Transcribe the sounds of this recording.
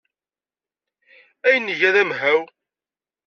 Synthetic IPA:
æjənːiʝæðæmɦæw

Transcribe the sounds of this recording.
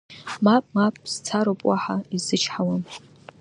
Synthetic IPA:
mapmap̚ʰʼst͡sʰaɾopʼwaħaizɨt͡ʃʰħawan

